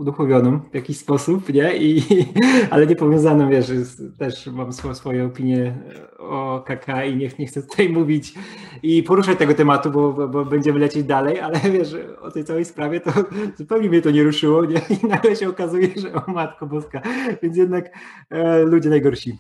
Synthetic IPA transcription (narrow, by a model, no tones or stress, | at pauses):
ud̪uxɔvʲjɔnɔmvjakʲiɕspɔsupɲɛi | a̰lɛɲɛpɔvʲjɔ̃w̃zanɔmvʲjɛʂt̪ɛʂmamsfɔsfɔjɛɔpʲiɲjɛ | ɔkakʰaiɲɛxɲɛxt̪sɛt̪t̪ʰɛjmuvʲit͡ɕipɔɾuʂat͡ɕt̪ɛɡɔt̪ɛmat̪ubɔɔbɔbɛɲd͡ʑɛmɘlɛt͡ɕed͡ʑd̪alɛjalɛvʲjɛʂɔ̰t̪ɛjt̪awɛjspɾavʲɛt̪ɔz̥upɛwɲɛmɲɛt̪ɔɲɛɾuʂɘwɔɲɛinaɡlɛɕɛɔkazujɛʐɛɔmat̪kɔbɔskavʲjɛnt̪jɛd̪nak | lud͡ʑɛnajɡɔɾɕi